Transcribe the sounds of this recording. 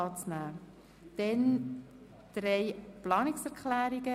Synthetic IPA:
ɑːt͡snæː | d̥ɛn | d̥rejplɑːnɪksɛɾkʰlæːɾiɡə

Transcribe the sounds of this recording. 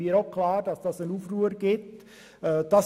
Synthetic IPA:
iːəɾokʰlɑːɾd̥ɑsd̥ɑsənuːfruːəɾɡ̥ɪt | ɛːd̥ɑ

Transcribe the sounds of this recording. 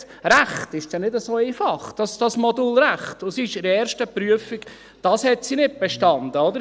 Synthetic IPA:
ɾæχtɪʃd̥ɛnɪdəsoːifɑχd̥ɑsd̥ɑsmɔdulɾæχtʊsiɪʃɪɾɛːɾʃtəpɾyəfik | d̥ɑshɛtsinɪt̚b̥ɛʃtɑndəod̪əɾ

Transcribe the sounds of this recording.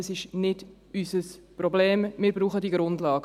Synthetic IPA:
əsɪʃnɪd | ysəsprɔbleːmmɪːɾbɾuːχədiɡɾʊndlɑːɡ

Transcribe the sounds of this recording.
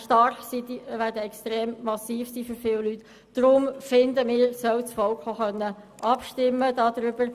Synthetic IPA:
ʃtɑɾχsid̪ivæːdəɛkstɾeːmːɑsiːfsiːføɾfɪwlyt̪ | d̥ɾʊmfɪnd̪əmɪːɾsœwsfɔlkχoχœnːə | ʔɑpʃtɪmːəd̥ɑːd̪ɾʏb̥əɾ

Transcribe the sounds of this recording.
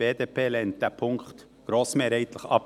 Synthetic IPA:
eːd̪eːpeːlɛnt̪æpʰʊŋkt̪ | ɡ̥ɾoːsmeɾeɪt̪ləχɑ̰p

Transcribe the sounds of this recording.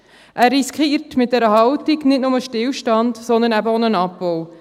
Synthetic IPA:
ʔærːiskχiːɾtmɪt̚d̥ɛɾəɦɑwtiɡnɪtnʊməʃtɪlʃtɑndsɔndənæbəonənɑpːɔw

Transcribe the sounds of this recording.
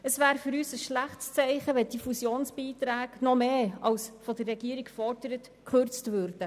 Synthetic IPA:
əsvæːɾfyɾyːsəsʃlæχtst͡sɛɪχəʋɛd̥ifusjoːnsb̥iːtɾæːɡnɔmeːɑwsfɔdərːɛɡiəɾikfɔɾdəɾət | kχøɾt͡stvøɾd̥ə

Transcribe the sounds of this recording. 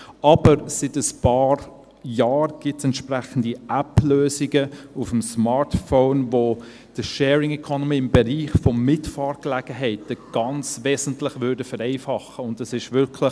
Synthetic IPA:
ʔɑb̥əɾsɪtəspɑːɾ | jɑːɾɡ̥ɪtsɛntʃpɾæχən̩diʔæpløːzɪɡəufm̩smɑːɹtfoːnvo | d̥əʃɛːɾɪŋɛkʰonɔmiːɪmbɛɾiːχfɔmɪtfɑːɾklæɡ̥əɦɛɪtəɡ̥ɑnt͡svɛːzəntlɪχvʏɾdəfəɾɛɪfɑχəʊndəsɪʃʋʏɾkʰlə

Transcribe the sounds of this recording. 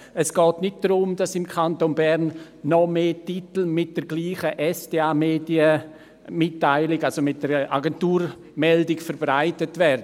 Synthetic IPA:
ɛsɡ̥ɔːtnɪt̚d̥ɾʊmd̥asɪmkʰantonbɛɾnː | ɔmeːtitl̩mɪt̚d̥əɾɡliːχəʔɛsd̥eːaːmeːdiə | mɪtːaɪlɪɡalsomɪt̚d̥əɾa̰ɡɛntuːɾ | mɛldɪɡfəɾb̥ʁaɪtətvɛɾdə

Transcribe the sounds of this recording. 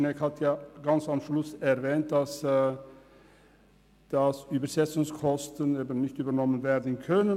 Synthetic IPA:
nɛkhat̪ʰjɑːɡɑnsamʃlʊsɛʁvɛːnt̚d̥as | d̥ɑsyːbəsɛsʊŋskʰɔst̪əneːbən̩nɪçtyːbənɔmənveːɾdən̩kʰœnə

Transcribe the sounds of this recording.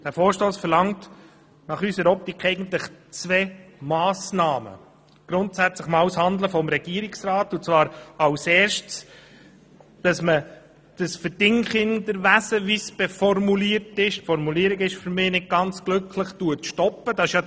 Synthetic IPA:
d̥æɾfoːɾʃtoːsfɛɾlɑŋt | nɑχysəɾɔp̚tikʰɛɪɡən̩tləχt͡svɛːmɑːsnɑːmə̰ | ɡ̥ɾʊntsæt͡sləχmɑwshɑnd̪ləfɔmɾɛɡ̥iəɾɪksɾɑːtʊnt͡svɑːɾɑwseːɾʃts | d̥ɑsmə | d̥əsfəd̥ɪŋχɪndəɾʋæsəʋisb̥ɛfɔrmuliːəɾtɪʃtfɔɾmuliəɾɪɡɪʃfyɾmɪːnɪt̚ɡ̥ɑnt͡sɡ̥lɵkʰləχtuətʃtɔpːəd̥ɑɪʃjɑ

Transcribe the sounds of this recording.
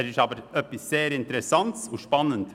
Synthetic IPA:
ɪʃɑːbəɾœpːɪsːeːɾɪnt̪əɾɛsɑnt̪soːʂpɑnːənt̪

